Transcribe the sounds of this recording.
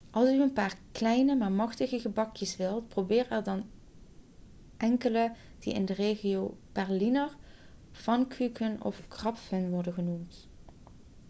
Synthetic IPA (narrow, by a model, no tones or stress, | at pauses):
ʔɑlˠsyənpaːɹklɛjnəmaːɹmɑχtəɣəɣəbɑkjəsʋɪlˠtprobɪːrɛɹdɑn | ʔɛŋkələ | d̥ḭʔɪ̰ndəreːχijowb̥ɛɹlinəɹfɑnkykənɔ̰fkrɑpfənʋɔɹdənɣənumt